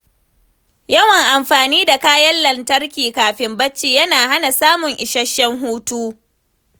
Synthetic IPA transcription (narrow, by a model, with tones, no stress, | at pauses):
jɐ˦wɐ˨ŋʔa˨mɸaː˨niː˦da˨kaː˦jɐ˦lːɐ˨ntɐ˦rkʲiː˨kaː˨ɸɪ˨mbɐ˦t͡ʃːiː˨jɐ˦naː˨ha˦na˨saː˦mʊ˨ŋʔɪ˨ʃɐ˦ʃːɛ˦ŋɦuː˦tuː˦